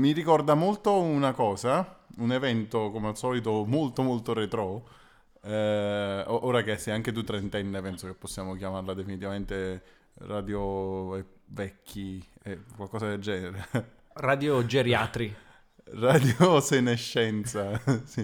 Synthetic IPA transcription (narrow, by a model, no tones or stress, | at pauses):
miɾikɔrd̪amolt̪ounakɔːzaunevɛnt̪okomealsɔːlit̪omolt̪omolt̪oret̪ɾɔ | oʔoːɾakesːɛjaŋk̟et̪̬ut̪ːɾent̪ɛnːepɛnsokepːosːjaːmok̟jamarlad̪efinit̪ivament̪e | raːd̪joɛ | vɛkʰːiɛkwalkɔːsad̪eld͡ʒɛːneɾe | rad̪jod͡ʒeɾjat̪ɾi | rad̪joseneʃːɛnt̪sasi